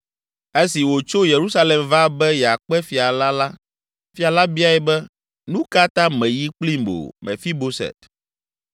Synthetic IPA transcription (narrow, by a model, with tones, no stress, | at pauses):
e˦si˨wo˨t͡ʃo˦je˨ɾu˦sa˦le˨mva˦bɛ˦jɛ˨a˨k͡pɛ˦fi˨a˨la˦la˦ | fi˦a˨la˦bi˦a˦ɛ˨bɛ˦ | nũ˦ka˦t̪ã˦mɛ̃˨ji˦k͡pli˦mbo̰˨mɛ̰̃˨fi˦bo˦sɛ̰˨t̪